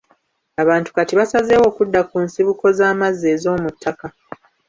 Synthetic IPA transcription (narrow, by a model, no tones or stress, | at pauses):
aβaːntu̥katiβasaze̞ːwo̞ːkudːakunsiβuko̞zaːmazːe̞ːzo̞ːmutʰːaka